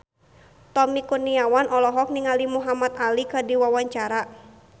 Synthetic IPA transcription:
t̪ɔmikuniawanʔɔlɔɦɔk̚niŋalimuɦamat̪alikɨdiwawaɲt͡ʃaɾa

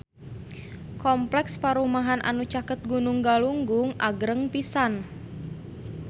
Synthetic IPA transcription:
kɔmplɛkspaɾumaɦanʔa̰nut͡ʃakət̪̚ɡunuŋɡaluŋɡuŋʔaɡɾəŋpisan

